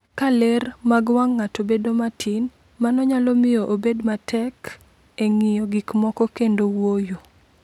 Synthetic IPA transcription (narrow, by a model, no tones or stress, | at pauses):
kalermaɡwaŋːatobedomatʰin | manɔɲalɔmɪjoʔobedmatʰɛk | eŋɪjɔɡikmɔkɔkendowojo